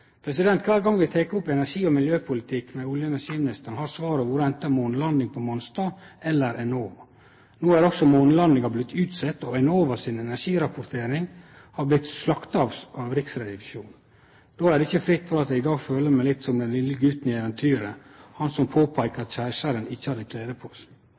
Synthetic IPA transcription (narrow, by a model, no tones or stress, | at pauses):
pʰɾɛsɪd̪ɛnt̪kʰʋæːɾɡɑŋːʋɪt̪ʰɛkəɔpɛnæɾʂiːɔmɪljøːpʰʊlɪt̪ʰɪkmɛʊljəɛnæɾʂiːmɪnɪst̪əɳ̩hɑːɾsʋɑːɾəʋʊɾəɛnt̪ːəmɔnlɑnd̪ɪŋpʰɔmɔnst̪ɑːɛlːəɾʔɛnoːʋɑ | noːæɾɔksɔmɔnlɑnd̪ɪŋɑblɪt̪ːʉːt̪sɛt̪ːɔɛnoːʋɑɾsɪnɛnæɾʂiːɾɑpʊɾt̪ʰeːɾɪŋ | hɑɾblɪt̪slɑkt̪ɑːʋsɑɾɪksɾɛd̪ɪʋɪʂuːn | d̪̥oːæɾɖɛɪçəfɾɪt̪ːfɔɾɑt̪æɪd̪ɑːɡføːləɾmæɪlɪt̪ːsɔmd̪ɛnlɪlːəɡʉt̪ːnɪɛʋɛnt̪ʰyːɾəhɑnsɔmpʰoːpʰæɪkəɾɑt̪ɕæːʂəɾənɪçːəhɑɾɪkʰleːd̪əpʰɔ̥ːs